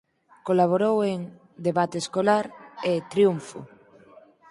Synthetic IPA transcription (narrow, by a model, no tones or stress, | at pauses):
kolaβ̞oɾoweŋ | d̪eβat̪eskolaɾet̪ɾjuɱfʊ̰